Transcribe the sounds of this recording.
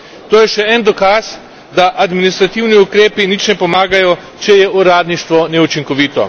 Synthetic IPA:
t̪oːjɛʃɛɛnd̪ɔkas | d̪aʔad̪minist̪ɾat̪iwniukɾeːpinit͡ʃnɛpɔmaːɡajɔ | t͡ʃɛjɛuɾaːd̪niʃt̪ʋɔnɛut͡ʃiŋkɔʋiːt̪ɔ̰

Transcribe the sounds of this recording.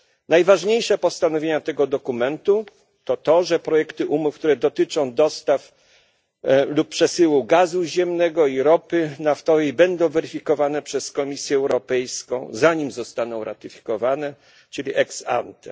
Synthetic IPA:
najvaʐɲejʂɛpɔst̪anɔvʲjeɲat̪ɛɡɔd̪ɔkumɛnt̪u | t̪ɔt̪ɔʐɛpɾɔjɛkt̪ɘʔumufk̚t̪uɾɛd̪ɔt̪ɘt͡ʂɔ̃w̃d̪ɔst̪af | luppːʂɛsɘwuɡazuʑɛmnɛɡɔiɾɔpɘnaft̪ɔvɛjbɛnd̪ɔ̃w̃vɛɾɘfʲikɔvanɛpʂɛskɔmʲisʲjɛːwɾɔpɛjskɔ̰̃w̃zaɲimzɔst̪anɔ̃w̃ɾa̰t̪ɘfʲi̥kɔvanɛ | t͡ʂɘlʲiʔɛksa̰nt̪ɛ

